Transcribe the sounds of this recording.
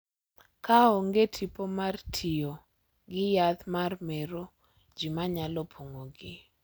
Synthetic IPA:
kaoŋɡetʰipomartʰio | ɡɪjat̪marmeɾo | d͡ʒimaɲalɔpʰoŋoɡɪ

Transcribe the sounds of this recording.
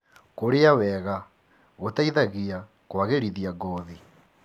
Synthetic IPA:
koɾeawɛɣa | ɣotaiðaɣia | kwaɣeɾiðiaɡɔði

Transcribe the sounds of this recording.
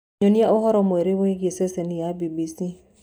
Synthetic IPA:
ɲoniaʔoɦɔɾɔmoeɾeweɡeseseniabibisi

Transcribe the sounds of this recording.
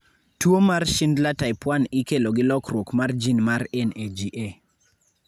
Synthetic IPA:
twomarʃɪndlataɪpwanɪkeloɡɪlɔkɾwokmard͡ʒinmaɾɛned͡ʒiʔe

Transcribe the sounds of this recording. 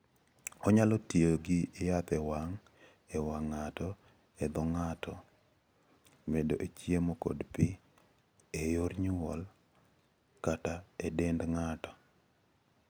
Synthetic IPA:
ɔɲalɔtioɡiːjat̪ɛwaŋ | ɛwaŋːatɔ | ɛd̪ɔŋatʰɔ | medoʔet͡ʃjemoko̰dpɪ | ejoɾɲuwɔl | kataedendŋatɔ̥

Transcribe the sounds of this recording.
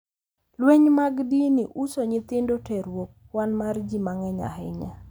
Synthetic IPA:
lweɲmaɡdiniʔusoɲɪt̪ɪndotɛɾwok | wanmard͡ʒimaŋɛɲa̰ɦɪɲa

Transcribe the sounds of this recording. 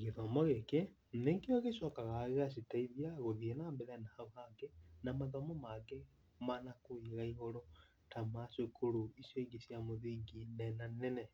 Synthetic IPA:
ɣeðɔmɔɣeke | neːŋɡeoɣeʃɔkaɣaɣeɣas̬itaiðiaɣoðienambɛðɛnaːɣaɡenamaðɔmɔmaɡe | manakoiɣaiɣoɾo | tamasokoɾuisjoiɡesjamoðiːŋɡinɛnanɛnɛ

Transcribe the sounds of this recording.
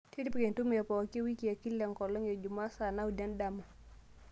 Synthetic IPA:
tʰiɾipkɛntumjapɔwakiwikijakilɛŋkɔlɔŋjad͡ʒumaːsanaudandamɔ

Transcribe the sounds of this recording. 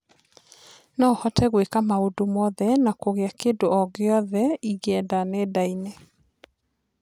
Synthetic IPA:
nɔhɔtɛɣwekamaodomɔðɛnakoɣeakendoɔɣeɔðɛiɣɛdanedainɛ

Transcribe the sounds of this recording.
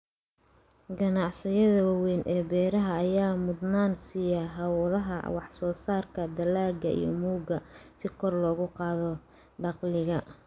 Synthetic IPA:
ɡɐnɑʕsɪjɐðɐwɑwɛːnʔɛːbɛːɾɐɦɐːjaːmʊd̪naːnsijɐɦɐwlɐɦɐ̰wɑ̰ħsɔːsaːrkʰɐd̪ɐlaːɡɐʔḭjɞ̰muːɡɐsɪkʰɔrlɔːɣʊqɑːðɔ | ɖɑqlɪɣɐ

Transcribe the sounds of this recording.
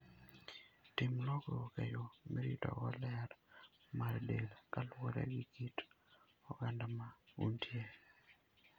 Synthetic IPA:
tɪmlɔɡɔkejomeɾitɔ̰ɡɔlɛɾmaɾdelkalwɔɾɛ̰ɡiɡit | ɔɡandamauntʰje

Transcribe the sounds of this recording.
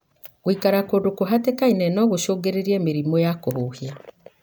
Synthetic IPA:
ɣwikaɾakodokoɦatekainɛnɔɣoʃoːɡeɾeɾiɛmeɾimojakoɦoːhia

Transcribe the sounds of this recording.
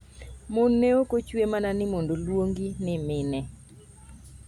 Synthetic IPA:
monːeokot͡ʃwemananɪmondolwoŋɡinɪmɪnɛ

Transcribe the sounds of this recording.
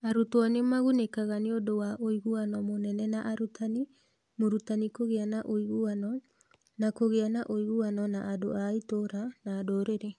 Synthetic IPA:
aɾutwɔnemaɣunekaɣaneodowaʔoiɣuanɔmonɛnɛnaʔaɾutʰani | moɾutanikoɣeanaʔoiɣuanɔ | nakoɣeanaʔoiɣuanɔnaʔado̰ʔaitoɾanaːdoɾeɾe

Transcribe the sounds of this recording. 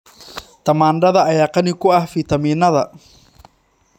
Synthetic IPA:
t̪ʰɐmaːnɖɐðɐːjaːqɐnɪkʰʊɐhfiːt̪ʰɐmiːnɐðɐ

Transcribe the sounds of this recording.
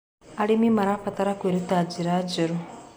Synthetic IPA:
aɽimiməɾafat̪aɾakuɾit̪ad͡ʒiɾad͡ʒəɾu

